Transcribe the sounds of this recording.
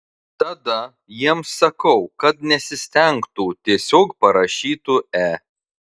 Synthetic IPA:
t̪ɐd̪ɐ | jiɛmsːɐkɐʊkɐt̪nʲɛsʲɪsʲt̪ʲɛŋkt̪uːt̪ʲiɛsʲoːkpɐɾɐʃʲiːt̪uːæː

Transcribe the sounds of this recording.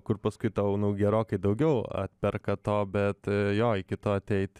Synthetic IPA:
kʊrpɐskʊɪt̪ɐʊnʊɡʲɛɾoːkɐɪd̪ɐʊɡʲɛʊɐ̰t̪̚ʲpʲɛrkɐt̪oːbʲɛt̪joːɪkʲɪt̪oːɐt̪ʲɛɪt̪ʲ

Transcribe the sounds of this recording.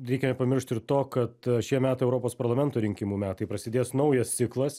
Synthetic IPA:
ɾʲɛɪkʲɛnʲɛpɐmʲɪɾʃʲt̪ɪɾt̪oːkɐt̪ʃʲiɛmʲæːt̪ɐɪɛʊɾoːpoːspɐɾlˠɐmʲɛnt̪oːɾʲɪŋʲkʲɪmuːmʲæːt̪ɐɪpɾɐsʲɪd̪ʲeːsnɐʊjɛst̪ʲɪklˠɐs

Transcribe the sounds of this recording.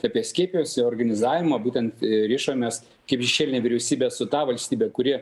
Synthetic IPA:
ɑːpʲiɛsʲkʲiɛpʲɪjoːsoːɾɡɐnʲɪzɑːʋʲɪmɑbuːt̪ʲɛnt̪ɾʲiːʃoːmʲes | kɐɪpʃʲɛʃʲeːlʲɪnʲɛːʋʲɪɾʲɛʊsʲiːbʲɛːsʊt̪ɑːʋɐlʲsʲt̪ʲiːbʲɛkʊɾʲɪɛ

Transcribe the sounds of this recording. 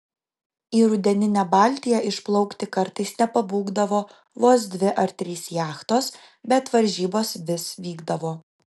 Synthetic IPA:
iːɾʊd̪ʲɛnʲɪnʲæbɑːlʲt̪ʲɪjɛʔɪʃplˠɒʊkt̪ʲɪkɐɾt̪ɐɪsnʲɛpɐbuːɡd̪ɐʋoː | ʋoːsd̪ʲʋʲɪʔɐɾt̪ʲɾʲiːsjæːxt̪oːs | bʲɛt̪ʋɐɾʲʒʲiːboːsʋʲɪsʋʲiːɡd̪ɐʋoː

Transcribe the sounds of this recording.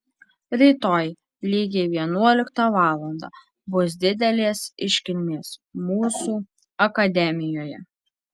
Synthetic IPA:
ɾʲiːt̪oːj | lʲiːɡʲeːʋʲiɛnuɔlʲɪkt̪ɑʋɑːlˠɐnd̪ɑ̰ː | bʊs̬d̪ʲɪd̪ʲɛlʲeːsɪʃʲkʲɪlʲmʲeːsmuːsuː | ɐkɐd̪ʲɛmʲɪjoːjɛ̰

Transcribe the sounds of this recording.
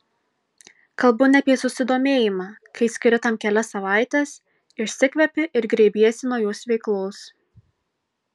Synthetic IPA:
kɐlˠbʊnʲɛpʲiɛsʊsʲɪd̪oːmʲeːjɪmɑːkɐɪsʲkʲɪɾʲɪt̪ɐmkʲɛlʲɛsɐʋɑˑɪt̪ʲɛs | ɪʃsʲɪkʋʲɛpʲɪʔɪɾɡɾʲeːbʲiːɛsʲɪnoːjoːsʋʲɛɪklˠoːs

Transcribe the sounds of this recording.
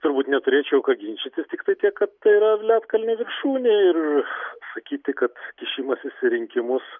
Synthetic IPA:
t̪ʊɾbuːt̪nʲɛt̪ʊɾʲeːt͡ʃʲɛʊkɐɡʲɪnʲt͡ʃʲɪt̪ʲɪst̪ʲɪkt̪ɐɪt̪ʲiɛkkɐt̪̚t̪ɐiɾɐlʲæːt̪kɐlʲnʲɪʋʲɪrʃuːnʲeɪrsɐkʲiːt̪ʲɪkɐt̪kʲɪʃʲiːmɐsɪʃʲsʲɪɾʲɪŋʲkʲɪmʊs

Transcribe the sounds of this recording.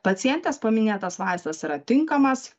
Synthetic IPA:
pɐt̪sʲɪjɛnʲt̪ʲeːspɐmʲɪnʲeːt̪ɐsʋɑˑɪst̪ɐsiːɾɐt̪ʲɪŋkɐmɐs

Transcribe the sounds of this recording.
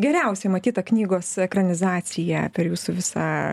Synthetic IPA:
ɡʲɛɾʲɛʊsʲɛmɐt̪ʲiːt̪ɐknʲiːɡoːssɛkrɐnʲɪzɑːt͡s̪ʲɪjæpʲɛɾjuːsʊʋʲɪsɑ

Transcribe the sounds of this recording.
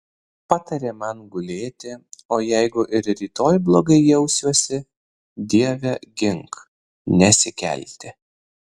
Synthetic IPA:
pɑt̪ɐɾʲeːmɐnɡʊlʲeːt̪ʲɪoːjɛɪɡʊʔɪɾɾʲiːt̪oːjblˠoːɡɐɪjɛʊsʲuɔsʲɪ | d̪ʲiɛʋʲɛɡʲɪŋk | nʲɛsʲɪkʲɛ̰lʲt̪ʲɪ

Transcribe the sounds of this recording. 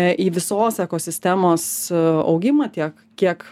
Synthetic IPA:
ʔiːʋʲɪsoːsɛkoːsʲɪsʲt̪ʲæːmoːsɒ̰ʊɡʲɪmɐt̪ʲiɛk | kʲiɛk

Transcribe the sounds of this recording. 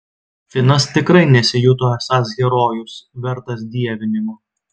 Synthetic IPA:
fʲɪnɐst̪ʲɪkɾɐɪnʲɛsʲɪjʊt̪oːɛsɑːsɡʲɛɾoːjʊsʋʲɛɾt̪ɐsd̪ʲiɛʋʲɪnʲɪmoː

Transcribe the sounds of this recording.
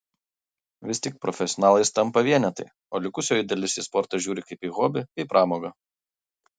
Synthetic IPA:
ʋʲɪst̪ʲɪk̚pɾɔfʲɛsʲɔnɑːlˠɐɪst̪ɐmpɐʋʲiɛnʲɛt̪ɐɪ | oːlʲɪkʊsʲoːjɪd̪ʲɛlʲɪsʲɪspɔɾt̪ɐʒʲuːɾʲɪkɐɪpiːɣoːbʲɪiːpɾʔɑːmoːɡɐ

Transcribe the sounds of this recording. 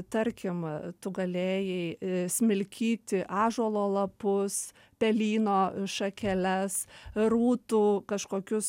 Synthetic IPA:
t̪ɐɾʲkʲɪmt̪ʊɡɐlʲeːjɛɪsʲmʲɪlʲkʲʰiːt̪ʲɪʔɑːʒoɔlˠoːlˠɐpʊs | pʲɛlʲiːnoːʃɐkʲɛlʲɛsruːt̪uːkɐʃkoːkʲʊs

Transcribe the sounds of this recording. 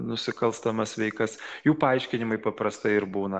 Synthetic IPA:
nʊsʲɪkɐlˠst̪ɐmɐsʋʲɛɪkɐsjuːpɐɐɪʃʲkʲɪnʲɪmɐɪpɐpɾɐst̪ɐɪɪɾbuːnɐ

